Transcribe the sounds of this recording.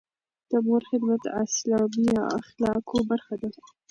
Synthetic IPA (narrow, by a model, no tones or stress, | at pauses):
d̪̥əmoɾxɪd̪mat̪aslɑbijaa̰xlɑkʰobaɾxad̪a